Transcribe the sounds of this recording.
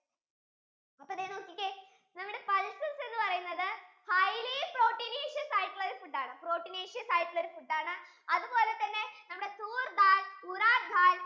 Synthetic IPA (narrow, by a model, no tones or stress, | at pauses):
ɐpːoɐðeːno̞ːkːikʲːe | nɐmːuɽe̞pɐlsɐnse̞nːɨpɐrɐjunːɐðɨhɐjlipro̞ːʈːineːʂijɐsaːjiʈːɨɭoɾufuʈːaːɳɨpro̞ːʈːineːʂijɐsaːjiʈːuɭo̞ɾufuɖːaːɳɨ | ɐðupo̞ːle̞t̪ːɐnːe̞nɐmːɽe̞suːrd̪aːluɾaːʈd̪ʱaːl